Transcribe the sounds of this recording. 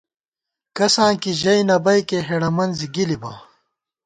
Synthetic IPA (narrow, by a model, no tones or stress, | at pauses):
kɐsãːnkiʑɐjnɐbɐjkeɦeɽɐmɐnziɡilibɐ